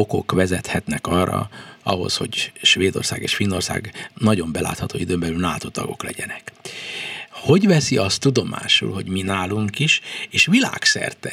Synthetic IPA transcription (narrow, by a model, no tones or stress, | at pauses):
oko̞kʋɛzɛt̪hɛt̪nɛkɒrːɒ̰ɒɦo̞̰sho̞̰ɟʃʋeːd̪o̞̰rsaːɡeːʃfinːo̞rsa̰ːɡnɒɟo̞mbɛla̰ːt̪hɒt̪oːid̪øːmbɛlylnaːt̪ot̪ɒɡo̞̰klɛɟɛnɛk | ho̞ɟʋɛsiɒst̪ːud̪o̞mʔa̰ːʃṵlɦo̞ɟminaːluŋkiʃeːʃʋila̰ːksɛ̰rt̪ɛ